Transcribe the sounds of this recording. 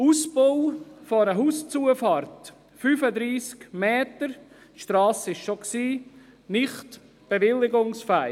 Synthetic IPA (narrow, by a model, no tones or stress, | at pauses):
usbowfonəɦuːst͡suəfɑːɾt | fyːfəd̪ɾiːskmeɛːtəɾ | ʃtɾɑːsəɪʃʃoksiː | nɪχt | b̥eʋɪlːɪɡʊŋsfaɪ